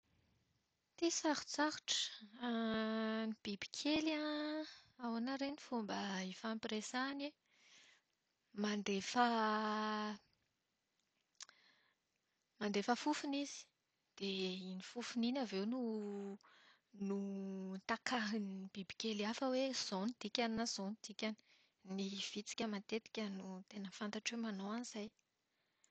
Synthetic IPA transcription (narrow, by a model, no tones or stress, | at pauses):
t̪isaɾu̥t͡saɾu̥ʈ͡ʂə̥ | nib̥ibi̥kʲʰela | awanaɾenifumbəifampiresani | mand̪efə | mand̪efəfufunizi̥ | d̪̥einifufuninavewnu | nut̪akaɦinib̥ibi̥kʲeliafəwez̥onid̪̥ikʲaninaz̥onid̪̥ikʲani̥ | niv̥it͡si̥kʲəmat̪et̪i̥kʲənut̪enəfant̪aʈ͡ʂwemanowaniz̥aj